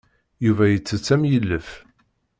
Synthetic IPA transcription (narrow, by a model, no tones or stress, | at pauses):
juvæjət͡sːət͡sːæmjəlːəf